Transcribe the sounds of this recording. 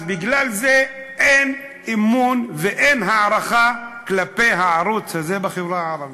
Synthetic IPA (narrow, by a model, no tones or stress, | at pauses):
zbiɡlalze | ʔen | imunveʔenɦaʕaɾaχaklapejɦaʕaɾut͡shazebaχevɾaaaɾavi